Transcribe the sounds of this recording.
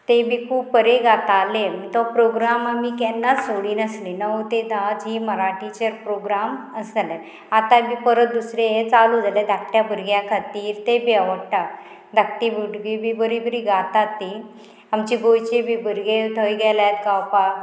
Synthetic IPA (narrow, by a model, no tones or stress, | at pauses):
t̪ebʱikʰuːb̚pəɾeɡat̪aleməɳt̪ɔpɾoɡɾamamikɛnːasoɽiːnəslinəʋot̪ed̪ad͡ziməɾaʈit͡ɕəɾpɾoɡɾaməsəlɛ | at̪abʱiːpəɾət̪̚d̪usɾeet͡salud͡zalɛd̪ʱak̚ʈjabəɾɡjakʰat̪iːɾt̪ebiəʋəɽʈa | d̪ʱak̚ʈibuɽɡibʱibəɾibəɾiːɡat̪at̪ːi | amt͡ɕiɡojt͡ɕebʱibʱəɾɡet̪ʰəjɡɛlajt̪kawpa